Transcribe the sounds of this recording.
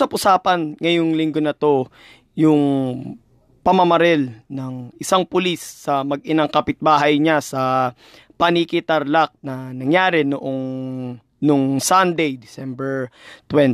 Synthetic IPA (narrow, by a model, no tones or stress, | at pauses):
sɐpʔʊsaːpɐnŋɐjoŋlɪŋɡonɐt̪o̞ | jʊŋ | pɐmɐmɐɾɛlnɐŋʔɪsaŋpʊlisːɐmɐɡ̚ɪnɐŋkɐpɪt̪̚baːɦɐjɲasɐ | pɐnikɪt̪ɐɾlak̚nɐnɐŋjaːɾɛnoʔo̞ŋ | noŋsand̪ɛjd̪ɪsɛmbɛɹt̪wɛn